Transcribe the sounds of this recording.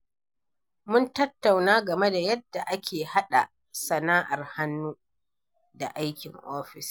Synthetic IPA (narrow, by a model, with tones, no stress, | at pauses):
mʊ˦ntɐ˦tːa˨wnaː˦ɡɐ˨me˦da˨jɐ˦d̥ːa˨ʔa˦kʲeː˨ha˦ɗa˨ | sɐ˨naː˦ʔa˨rha˦nːuː˦ | da̰˨ʔa˦jkʲɪ˨ŋʔoː˦ɸɪ˨s